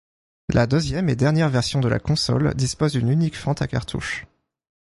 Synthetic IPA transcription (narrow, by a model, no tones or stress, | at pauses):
lʔad̪øzjɛmed̪ɛʁnjɛʁvɛʁsjɔ̃d̪əla̰kɔ̃sɔ̰ld̪ispozd̪ynynikfɔ̃t̪akaʁt̪ʰṵʃ